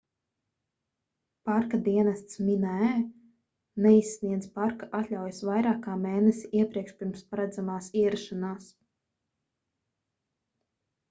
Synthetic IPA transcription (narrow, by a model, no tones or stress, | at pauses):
paɾkad̪iɛnast̪sminɛ | nɛisːniɛd̪zpaɾkaʔat̪ʲlʲawjsvajɾaːkaːmeːnɛsʲiʔiɛpɾiɛkʃpʲiɾmspaɾad̪zamaːsiɛɾaʃanaːs